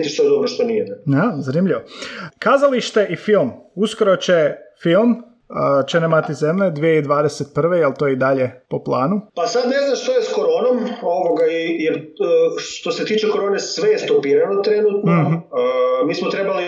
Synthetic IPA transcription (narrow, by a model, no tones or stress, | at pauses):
t̪iʃt̪ojed̪obɾoʃt̪onijed̪azanimʎʲiʋokazaliʃt̪e̞ʔifilˠmuskoɾo̞t͡ɕe̞filˠm | t͡ʃenemat̪izemʎed̪ʋijeid̪ʋaːd̪eset̪̚pr̩ʋe̞jelt̪oːjeid̪aʎe̞po̞plˠaːnupasad̪ne̞znaʃt̪ojeskoɾoːnomo̞ʋoɡaijeɾʃt̪o̞se̞t̪iːt͡ʃeko̞ɾoːnesʋejest̪opiːɾanot̪ɾe̞nut̪no | miːsmot̪ɾe̞bali